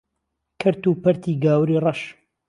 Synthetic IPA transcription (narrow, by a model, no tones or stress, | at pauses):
kʰɨɾt̪uːpɐɾt̪ʰiːɡaːwɾiːrɑʃ